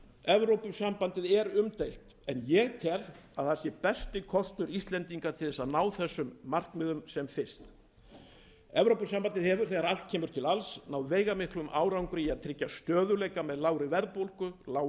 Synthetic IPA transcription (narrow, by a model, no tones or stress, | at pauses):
ɛvɾowpʏsampant̪ɪðɛɾʏmt̪ejlt̪ | ɛnjɛɣt̪ʰɛraðθḁsjɛpɛst̪ɪkʰɔst̪ʏɾist̪lɛnt̪iŋkat̪ʰɪlθɛsaðnaːwθɛsːʏmːar̥kmɪðʏmsɛmfɪst̪ | ɛvɾowpʏsampant̪ɪðhɦɛvʏɾ̥θɛɣaɾal̥t̪̚cʰɛːmʏɾ̥t̪ʰɪlalsnawveːjɣamɪhklʏmʔaːwɾawŋkʏɾiaðt̪ʰɾɪcːast̪œːðʏleːjkamɛðlaːwɾɪvɛɾðpowlkʏlaːw